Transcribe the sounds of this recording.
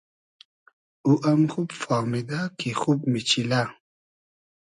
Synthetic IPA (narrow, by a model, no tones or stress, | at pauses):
uʔamxubfamid̪akixub̚mit͡ʃila